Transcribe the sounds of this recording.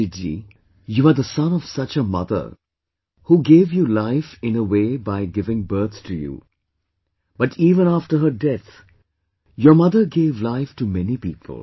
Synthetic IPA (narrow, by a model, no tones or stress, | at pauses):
ɪd͡ʒḭ | juəɾd̪əsʌ̃nɔv̥sʌt͡ʃəmʌ̰d̪ə̰˞ | huːɡeːvjulaɪfɪ̃nəweːbaɪɡɪvɪ̃ŋbɜ˞t̪tʰujṵ | b̥ʌʈʰiːvə̃nafʈə˞ɦədɛt̪ | jəmʌðəɡeːvlaɪftumɛnipiːpʰə̰l̩ˠ